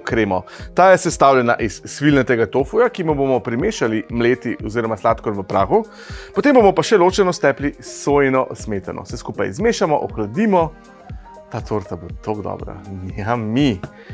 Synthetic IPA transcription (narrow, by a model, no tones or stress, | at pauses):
kɾeːmɔt̪aːjɛsɛst̪aːwljɛna̰ʔisːʋilnɛt̪ɛɡat̪ofujakimubomɔpɾimeːʃalimleːt̪iɔziːɾɔmaslat̪kɔnʋəpɾaːxu | pɔt̪embomɔpaʃɛloːt͡ʃɛnɔst̪ɛːplisojnɔsmeːt̪a̰nʔɔ̰sɛskuːpa̰jzmeːʃamɔʔɔxlad̪iːmɔ | t̪aːt̪oɾt̪abot̪ʰoɡd̪ɔ̰bɾa̰nammi